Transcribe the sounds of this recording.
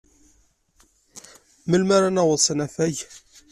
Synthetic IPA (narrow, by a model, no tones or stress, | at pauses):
məlmaɾænæwəðˤsənæθæʝ